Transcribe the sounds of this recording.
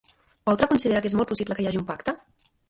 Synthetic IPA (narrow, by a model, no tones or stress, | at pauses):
pɔlˠt̪ɾəkunsiðeɾakezmɔlˠpusibləkəjaʒiumpakt̪ə